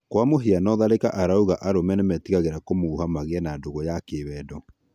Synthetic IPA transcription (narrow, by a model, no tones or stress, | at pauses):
kwamoɦianɔðaɾekaʔaɾauɣaʔaɾomɛnɛmɛtiɣaɣeɾakomouhamaɣeɛnadoɣɔjakeːβɛdɔ